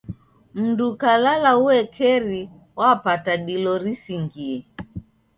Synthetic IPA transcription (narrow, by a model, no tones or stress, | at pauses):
m̩dukalalauwɛkʰɛɾi | wapataɗilɔɾisiŋɡiɛ